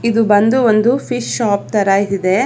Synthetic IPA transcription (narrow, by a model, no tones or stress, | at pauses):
id̪ubɐnd̪uond̪ufʰiʃːaːp̚t̪ɐɾait̪id̪e̞